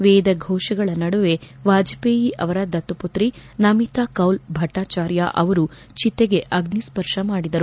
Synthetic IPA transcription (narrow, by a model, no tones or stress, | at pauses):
ʋeːd̪ɐɡʱɔːʃɐɡɐɭɐnɐɽuʋe̞ʋaːd͡ʒɐpeːjiʔɐʋɐɾɐd̪ɐt̪ːuput̪ɾinɐmit̪aːkɐwlbʱɐʈːaːt͡ʃaːɾja̰ʔɐʋɐɾut͡ʃit̪ːeɡe̞ʔɐɡnispɐɾʂɐmaːɽid̪ɐɾu